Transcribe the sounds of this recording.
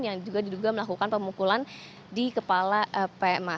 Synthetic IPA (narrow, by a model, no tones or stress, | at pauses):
njaŋd͡ʒuɡadiduɡaməlakukanpəmukulan | dikəpalaʔəpema